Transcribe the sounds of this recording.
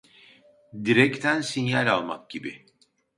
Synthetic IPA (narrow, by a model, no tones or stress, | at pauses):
d̪iɾɛct̪ʰænsinjalʲalˠma̰k̚ɟibɪ̰